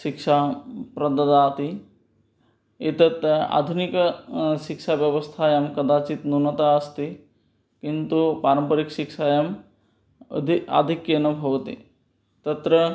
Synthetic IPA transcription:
ʃikʃapɾɐd̪ɐd̪aːt̪i | it̪ɐt̪a̰ːd̪ʱunikɐʃikʃaʋjɐʋɐst̪ʰajɐmkɐd̪aːt͡ʃit̪nunɐt̪aɐst̪i | kint̪upaːɾɐmpɐɾikʃikʃajɐm | a̰d̪ʱikːjɐnubʱɐʋɐt̪ḭ | t̪ɐt̪ɾɐ

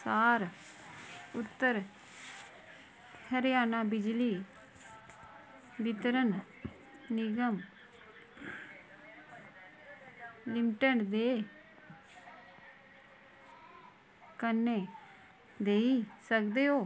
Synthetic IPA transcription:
saːɾ | ʊt̪ːəɾ | həɾɪjaːnaːbɪd͡ʒliː | ʋɪt̪ɾən | nɪɡəm | lɪmʈəɳd̪eː | kənːeː | d̪eːiːsəkd̪eːɦoː

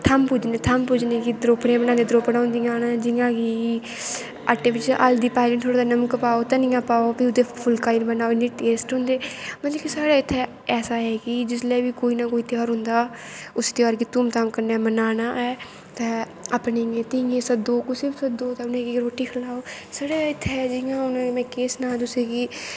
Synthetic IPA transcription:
t̪ʰəmpʊd͡ʒneːt̪ʰəmpʊd͡ʒnẽːkid̪ɾoːpɽẽːbənãːnd̪eːd̪ɾoːpɽaːʊ̃nd̪ijãːnːd͡ʒɪjãːɡi | aʈːeːʋɪt͡ʃa̰ld̪iːpaːɪlə̃ɳt̪ʰoːɽaːd̪aːnəməkpaːoːt̪ɛ̃ːnɪ̃ːãːpaːopiʊd̪eːpʰʊlkaːiːnbənaːonĩːʈeːsʈɦʊ̃ːnd̪eːmət̪ləbkisaːɽaːɪt̪ʰːeː | ɛːsaːɦɛːkɪd͡ʒɪsleːʋiːkoːiːnaːkoːiːt̪ɪjaːɾɦʊ̃nd̪aːʊst̪eɔːɾkiːt̪uːmt̪amkəɾnaːmənaːnaːɛː | t̪ɛ̃ː | apneːŋẽːt̪ɪŋẽːsəd̪oːkʊsɪsəd̪oːt̪ãʊnẽːɡiɾoːʈiːkʰəlaːoː | saːɽaːɪt̪ʰːeɛd͡ʒɪŋãːʊnẽmɛ̃ːkeːsnãːt̪ʊseːɡiː

